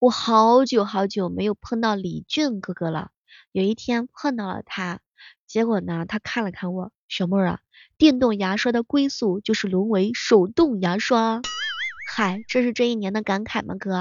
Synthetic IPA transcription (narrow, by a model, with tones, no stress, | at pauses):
wɔ˨˩xɑ˧˥ʊt͡ɕjo˨˩ʊxɑ˧˥ʊt͡ɕjo˨˧˩ʊme˧˥ɪjo˨˩ʊpʰə˥˧ŋt̪ɑ˥˩ʊli˨˩t͡ɕy˥˧nkɤ˥˧kɤ˥˧lə̰˩ | jo˨˩ʊi˥˩t̪ʰjɛ˥npʰə˥˧t̪ɑ˥˩ʊlə̰˩t̪ʰa˥ | t͡ɕjɛ˧˥kwɔ˨˩nə˦t̪ʰa˥kʰa˥˩nlə˩kʰa˥˩nwɔ˨˩˦ | ɕɔ˧˥mə˥ɻɐ̰˨˩ | t̪jɛ˥˧nt̪ʊ˥˩ŋja˧˥ʂwa˥d̪ə˨kwe˥ɪsu˥˩t͡ɕjo˥˧ʊʂɻ̩˥˩lwʊ˧˥nwe˧˥ɪʂo˨˩ʊt̪ʊ˥˩ŋja˧˥ʂwa˥ | xa˨˩ɪʈ͡ʂɤ˥˧ʂɻ̩˥˧ʈ͡ʂɤ˥˧i˥˩njɛ˧˥nd̪ə˧ka˧˥nkʰa˨˩ɪmʔə̰˧˥kɤ˥˧˩